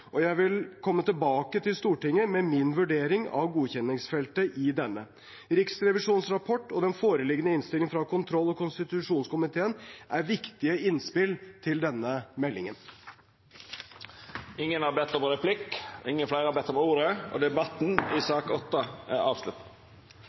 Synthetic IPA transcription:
ʔɔjæɪʋɪlkʰɔmːət̪ɪlbɑːkət̪ʰɪlst̪uːʈɪŋːəmɛmɪnʋʉɖeːɾɪŋɑ̰ʋɡuːçɛnɪŋsfɛlt̪əʔɪd̪ɛnːə | ɾɪksɾɛʋɪʂuːnsɾɑpʰɔʈːɔd̪ɛnfoːɾəlɪɡənəɪnst̪ɪlɪŋfɾɑkʊnt̪ʰɾɔlːɔkʊnst̪ɪt̪ʉʂuːnskʊmɪt̪ʰeːənʔæɾʋɪkt̪ɪəɪnspɪlt̪ʰɪld̪ɛnːəmɛlːɪ̰ŋən | ɪŋːənhɑɾbɛt̪ːɔmɾɛpʰlɪkːɪŋːəflæɪɾəhɑbɛt̪ːɔmuːɾəɔ̰ːd̪ɛbɑt̪n̩ɪsɑːkɔt̪ːəæɾɑ̰ːʋslʉt̪̩

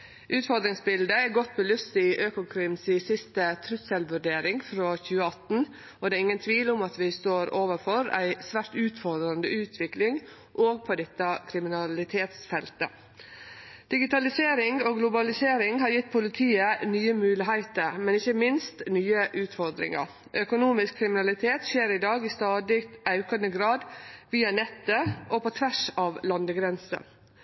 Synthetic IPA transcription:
ʔʉːt̪fɔɾd̪ɾɪŋsbɪld̪əɛɾɡɔt̪̚ːbəlʉst̪ɪʔøːkʊkʰɾɪmsɪsɪst̪ət̪ʰɾʉsɛlʋʉɖeːɾɪŋfɾoːçʉːəɑt̪n̩ | ɔd̪ɛːɪŋːənt̪ʰʋiːlʊmɑt̪ʋɪst̪oːɾoːʋəɾfɔɾæ̰ɪsʋæːʂʈʉːt̪fɔɾd̪ɾɑnd̪əʉːt̪ʰʋɪklɪŋ | ʔoːɡ̚pʰɔd̪ɛt̪ːəkʰɾɪmɪnɑlɪt̪ʰeːt̪sfɛlt̪ə̰ | d̪̥ɪɡɪt̪ɑlɪseːɾɪŋoːɡlʊbɑlɪseːɾɪŋɦɑɾjɪt̪ːpʰʊlɪt̪ʰiːənyːəmʉːlɪɦæɪt̪əɾmɛnɪçːəmɪnst̪nyːəʔʉːt̪fɔɾd̪ɾɪ̰ŋɑ̰ɾ | ʔœkʊnuːmɪskʰːɾɪmɪnɑlɪt̪ʰeːt̪ʃeːɾɪd̪ɑːɡiːst̪ɑːd̪ɪkt̪ɑʉkɑnəɡɾɑːd̪ʋiːɑnɛt̪ːəʔopɔt̪ʰʋæʂɑːʋlɑnd̪əɡɾɛnsə̰

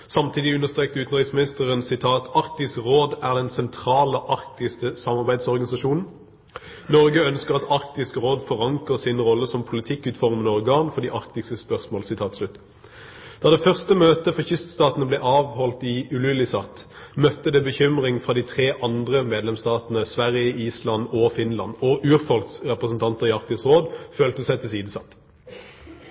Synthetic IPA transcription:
sɑmt̪ʰiːd̪ɪʉnːəʁst̪ʁeːk̚t̪əʉːt̪n̩ʁɪksmɪnɪst̪əʁənsɪt̪ʰɑːt̪ɑʁk̚t̪ɪskʁoːd̪æʁd̪ɛnsɛnt̪ʰʁɑːləʔɑʁkt̪ɪsk̪əsɑmɑʁbæɪd̪sɔʁɡɑnɪsɑʃuːnn̩ | nɔʁɡəœnskəʁɑt̪ɑʁk̚t̪ɪskʁoːd̪fɔʁɑŋkəʁsɪnʁɔlːəsɔmpʰʊlɪt̪ʰɪkːʉːt̪fɔʁmənəɔʁɡɑːnfɔʁd̪iːʔɑʁkt̪ɪkst̪əspœʁsmoːlsɪt̪ʰɑːt̪slʉt̪ː | d̪̥ɑːd̪ɛːfœʁst̪əmøːt̪əfɔçʏst̪st̪ɑːt̪nəblɛːʔɑːʋhɔlt̪iʉlʉlɪsɑt̪ː | mœt̪ːəd̪ɛbəçʏmʁɪŋfʁɑːd̪iːt̪ʰʁeːʔɑnd̪ʁəmeːd̪lɛmst̪ɑːt̪nəsʋæʁjəʔiːslɑnɔfɪnlɑ̰nɔʔʉːʁfɔlksʁɛpʁəsn̩t̪ʰɑnt̪əʁɪɑʁk̚t̪ɪskʁoːd̪føːlt̪əsæɪt̪ʰɪsiːd̪̩sɑt̪ː

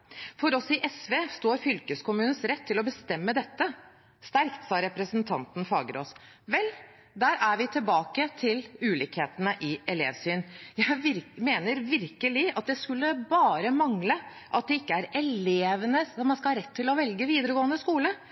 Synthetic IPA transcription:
fɔɾɔsɪʔɛsʋeːst̪oːɾfʏlkəskʊmʉːnəsɾɛt̪ʰːɪlɔbəst̪ɛmːəd̪ɛt̪ːə | st̪æɾkt̪sɑːɾɛpɾəsnt̪ʰɑ̰nt̪n̩fɑ̰ːɡəɾɔ̰s | ʋɛl | d̪æːɾæɾʋɪt̪ʰɪlbɑːkət̪ʰɪlʉːliːkheːt̪ənəʔɪɛlḛːʋsyːnjæɪɪmeːnəɾʋɪɾkəlɪɑt̪̚d̪ɛskʉlːəbɑːɾəmɑŋlə | ʔɑt̪̚d̪ɛɪkːəæɾɛleːʋənəɔmɑnskɑɑɾɛt̪ʰːɪlɔʋɛlɡəʋiːd̪əɾəɡoːənd̪əskuːlə

